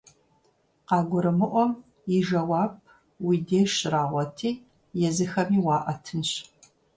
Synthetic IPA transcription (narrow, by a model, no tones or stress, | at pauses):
qɑːɡʷʊɾɨmɨʔʷɔm | ɪʒɐwɑːb̚ | wiːdeːʃɪraːʁʷɔtʰiː | jɛzɨxɐmiːwɑːʔɐtʰɨnɕ